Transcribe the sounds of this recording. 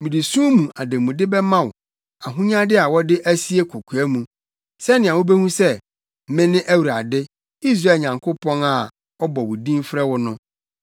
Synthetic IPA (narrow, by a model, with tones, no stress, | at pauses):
mĩ˨di˨sũ˦mũ˨ʔa˨dɪ˨mũ˨dɪ˦bɛ˦mã˦wʊ˨ | a˨ɦũ˦ɲ˦ã˦dɪ˦a˨wɔ˦dɪ˦ʔæ˦si˦e˦kʰo˨kʰu˨æ˦mũ˨ | sɛ˦nɪ̃˨a˨wo˦be˦hũ˦sɛ˦ | mɪ̃˦nɪ̃˦ʔæ˦wu˨ɾa˨dɪ˦ | i˦s̬ɾa˦˨ɲã˨ŋkʰʊ˦pʰɔ̃˦na˨ | ɔ˦bɔ˨wʊ˨dĩ˦m˦fɾɛ˦wʊ˦nʊ̃˦